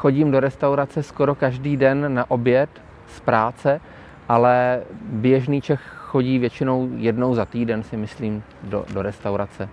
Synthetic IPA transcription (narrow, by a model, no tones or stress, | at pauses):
xo̞ɟiːmdo̞ɾɛst̪awɾat͡sɛsko̞ɾo̞kaʒdiːdɛnːaʔo̞bjɛt̪ | spɾaːt͡sɛ | ʔalɛbjɛʒniːt͡ʃɛxxo̞ɟiːvjɛt͡ʃɪno̞wjɛdnowzat̪iːdɛnsɪmɪsliːm | do̰doɾɛst̪awɾat͡sɛ